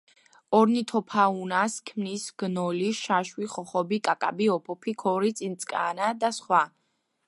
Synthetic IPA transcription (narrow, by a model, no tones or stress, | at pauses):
ɔɾnit̪ʰɔpʰaunaskʰmnisɡ̥nɔliʃaʃwiχɔχɔbikʼakʼa̰biɔpʰɔpʰikʰɔɾit̪sʼint̪sʼkʼa̰nad̪asχwa